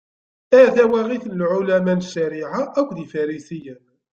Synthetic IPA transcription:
æθæwæʁiθnəlʕʊlæmænʃːæɾiʕaʔækʷðifæɾisijən

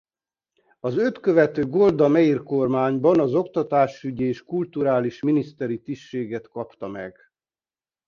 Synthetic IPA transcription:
ɒzøt̪køvɛt̪øːɡold̪ɒmɛirko̞rmaːɲbɒnɒzo̞kt̪ɒt̪aːʃyɟieːʃkult̪uɾaːliʃminist̪ɛɾit̪iʃʃeːɡɛt̪kɒpt̪ɒmɛ̰ɡ̥

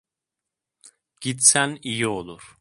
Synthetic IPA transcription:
ɟ̥it̪sænijio̞lˠuɾ̥

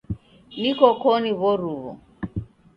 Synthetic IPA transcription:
nikɔkɔniβɔɾuβɔ̰

